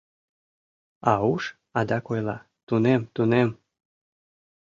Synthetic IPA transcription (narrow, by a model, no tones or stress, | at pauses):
ɑuʃ | ɑd̪ɑkojlˠɑ̰ | t̪unemt̪unem